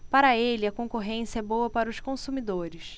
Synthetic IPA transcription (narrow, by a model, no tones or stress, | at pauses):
paɾɐelɪɐkõkoɦẽsiɐɛbowɐpaɾɐʊʃkõsumid̪oɾɪʃ